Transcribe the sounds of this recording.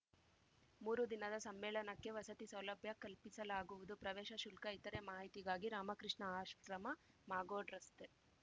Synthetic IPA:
muːɾud̪inɐd̪ɐsɐmːɛːɭɐnɐkːe̞ʋɐsɐt̪isɐwlɐbʱjɐkɐlpisɐlaːɡuʋud̪upɾɐʋɛːʃɐʃulkɐit̪ɐɾe̞maːɦit̪iɡaːɡiɾaːmɐkɾɨʂɳɐaːʃʋɐkɾɐmɐ | maːɡoːɖɾɐst̪e

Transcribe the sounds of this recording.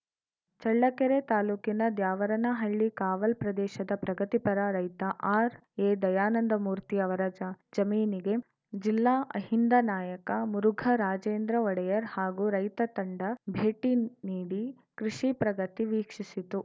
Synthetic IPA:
t͡ʃɐɭːɐkɛɾet̪aːluːkinɐd̪jaːʋɐɾɐnɐɦɐɭːikaːʋɐlpɾɐd̪ɛːʃɐd̪ɐpɾɐɡɐt̪ipɐɾɐɾɐjt̪ɐʔaːɾ | eːd̪ɐjaːnɐnd̪ɐmuːɾt̪iɐʋɐɾɐd͡ʒɐd͡ʒɐmiːniɡe̞ | d͡ʒilːaːʔɐ̰hind̪ɐnaːjɐkɐmuɾuɡʱɐɾaːd͡ʒeːnd̪ɾɐɔɽɐjɐɾhaːɡuɾɐjt̪ɐt̪ɐɳɖɐbʱeːʈiniːɽi | kɾiʃipɾɐɡɐt̪iʋiːkʂisit̪u

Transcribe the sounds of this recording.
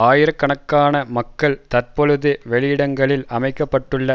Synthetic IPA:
aːjɪɾɐkːɐɳɐkːaːnɐmɐkːɐɭt̪ɐɾpɔɻɯðɯʋɛɭɪjɪɽɐŋɡɐɭɪlɐmɐɪkːɐpːɐʈːɯɭːɐ

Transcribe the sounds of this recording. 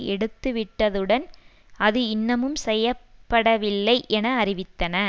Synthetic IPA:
ɛɽɯt̪ːɯʋɪʈːɐðɯɽɐn | ɐðɯɪnːɐmɯmsɛjːɐpːɐɽɐʋɪlːɐɪʔɛnɐːɾɪʋɪt̪ːɐnɐ

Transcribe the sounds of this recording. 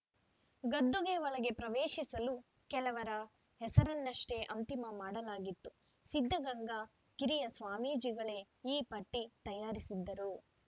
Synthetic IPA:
ɡɐd̪ːɔɡeʋɐɭɐɡe̞pɾɐʋeːʃisɐlu | kɛlɐʋɐɾɐ | ɦɛsɐɾɐnːɐʂʈe̞ʔɐnt̪imɐmaːɽɐlaːɡit̪ːu | sid̪ʱːɐɡɐŋɡɐ | kiɾijɐsʋaːmiːd͡ʒiɡɐɭe̞ | iːpɐʈːit̪ɐjaːɾisid̪ːɐɾu

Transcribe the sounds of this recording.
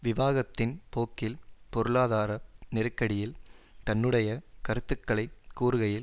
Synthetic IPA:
ʋɪʋaːɣɐt̪ːɪnpoːkːɪlpɔɾɯɭaːðaːɾɐnɪɾɯkːɐɽɪjɪlt̪ɐnːɯɽɐjɐkɐɾɯt̪ːɯkːɐɭɐɪkːuːɾɯɣɐjɪl

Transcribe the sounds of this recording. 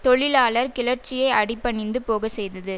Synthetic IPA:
t̪ɔɭɪlaːɭɐɾkɪɭɐɾt͡ʃːɪjɐɪʔɐɽɪpːɐɳɪnd̪ɯpoːɣɐsɛjðɐðɯ

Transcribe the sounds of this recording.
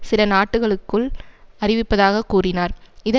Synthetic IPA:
sɪlɐnaːʈːɯɣɐɭɯkːɯɭɐrɪʋɪpːɐðaːɣɐkːuːrɪnaːɾɪðɐ

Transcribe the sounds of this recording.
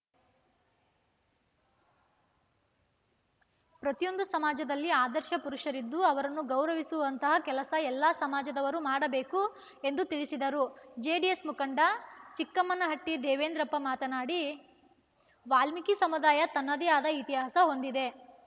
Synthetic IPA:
pɾɐt̪ijo̞nd̪usɐmaːd͡ʒɐd̪ɐlːiaːd̪ɐɾʃɐpuɾuʃɐɾid̪ːuɐʋɐɾɐnːuɡɐwɾɐʋisuʋɐnt̪ɐɦɐkɛlɐsɐɛlːaːsɐmaːd͡ʒɐd̪ɐʋɐɾumaːɽɐbe̞ːku | end̪ut̪iɭisid̪ɐɾud͡ʒeːɖiesmukɐɳɖɐt͡ʃikːɐmːɐnɐɦɐʈːid̪ɛːʋeːnd̪ɾɐpːɐmaːt̪ɐnaːɽi | ʋaːlmikisɐmud̪aːjɐt̪ɐnːɐd̪ijaːd̪ɐit̪iɦaːsɐɦo̞nd̪id̪e̞

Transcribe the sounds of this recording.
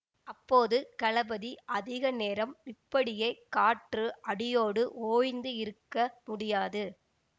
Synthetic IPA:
ʔɐpːoːðɯkɐɭɐbɐðiʔɐðɪɣɐneːɾɐmɪpːɐɽɪjeːkaːʈrɯʔɐɽɪjoːɽɯʔoːjnd̪ɯɪɾɯkːɐmʊɽɪjaːðɯ

